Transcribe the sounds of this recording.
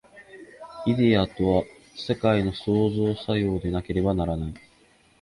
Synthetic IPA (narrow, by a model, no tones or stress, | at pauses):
id̪eat̪o̞βa | se̞kaino̞so̞ːzo̞ːsajo̞ːd̪e̞nake̞ɾe̞banaɾanai